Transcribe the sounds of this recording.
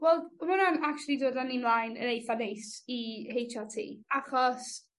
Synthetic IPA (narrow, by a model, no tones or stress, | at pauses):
wɛlˠmʊnanak̚t͡ʃulˠidoːdanimlˠajnə̰nejfanejsihejtʰatʰḭːaχɔs